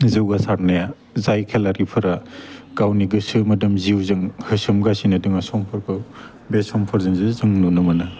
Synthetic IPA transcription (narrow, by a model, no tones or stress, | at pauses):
zɯwɡasaɾnaja | zajkʰelaɾipʰɯɾaɡ̥awniɡɯsɯmɐdɯmziwzɯŋhɯsɯmɡasinɐdɯŋasɔmpʰɯɾkʰɯw | besɔmpʰɯɾzɯŋzɯzɯŋnunɯmɐna